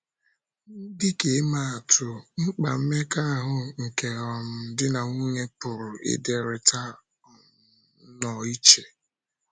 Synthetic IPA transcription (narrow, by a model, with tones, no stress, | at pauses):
dɪ˦ke˨˦ma˦˨a˨tʰʊ˨ŋ͡m̩˦k͡pa˨m̩˦me˦ka˦a˦ɦʊ˨ŋ̩˨ke˨ɔ˨m̩˦˨˦dɪ˦na˨ŋu˦ɲe˦pʊ˨ɾʊ˨ɪ̰˦de˨ɾɪ˨ta˦ | ɔ˨˦ | nɔ˨i˦t͡ʃe˨